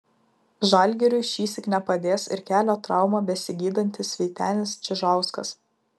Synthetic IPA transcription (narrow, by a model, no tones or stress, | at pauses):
ʒɐˑlʲˑɡʲɛɾʲʊɪʃʲiːsʲɪknʲɛpɐd̪ʲeːsɪ̰ɾkʲæːlʲoːt̪ɾɑˑʊmɑːbʲɛsʲɪɡʲiːd̪ɐnʲt̪ʲɪsʲʋʲɛːt̪ʲæːnʲɪst͡ʃʲɪʒɑˑʊskɐ̰s